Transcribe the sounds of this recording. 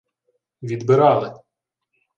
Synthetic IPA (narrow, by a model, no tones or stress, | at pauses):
ʋʲid̪bɪɾɑlˠɪ